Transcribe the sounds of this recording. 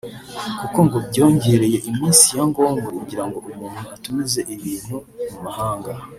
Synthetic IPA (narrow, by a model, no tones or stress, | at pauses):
kuko̞ŋɡobɟo̞ːɲɟe̞ːɾe̞je̞ʔimiːnsijaŋɡo̞ːŋɡokuɟiɾaŋɡo̞umuːn̥huatumize̞ʔiβiːn̥humumahaːŋɡa